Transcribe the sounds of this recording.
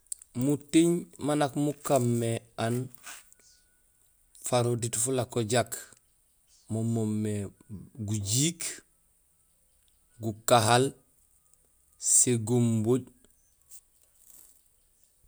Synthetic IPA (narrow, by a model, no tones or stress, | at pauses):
mutiɲmanakmukamːean | faɾoditfulakoɟak | momomːeɡuɟiːk | ɡukaɦal | seɡomboɟ